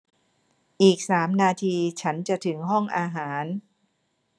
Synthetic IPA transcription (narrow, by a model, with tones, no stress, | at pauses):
ʔiː˨˩k̚saː˩˦mnaː˧t̪ʰiː˧t͡ɕʰa˦˥nt͡ɕa˨˩ʔt̪ʰɯ˩˦ŋɦɔ˥˩ŋʔaː˧ɦaː˩˦n